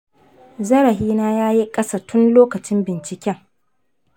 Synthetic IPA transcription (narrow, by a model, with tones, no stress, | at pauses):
zɐ˦ɾɐ˨ɦiː˦naː˦jaː˦ji˦kʼɐ˦sa˨tʰʊ˦nloː˦kɐ˨t͡ʃɪ˦mbɪ˨nt͡ʃɪ˨kʲɛ˦ŋ